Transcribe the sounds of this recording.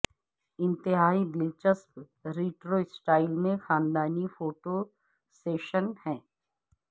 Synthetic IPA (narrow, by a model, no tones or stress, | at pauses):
ɪ̃nt̪ɪɦaːid̪ɪlt͡ʃəsp | ɾiːʈɾoɪsʈaːɪlmẽxaːnd̪aːnifoːʈo | seːʃənhɛ̃ː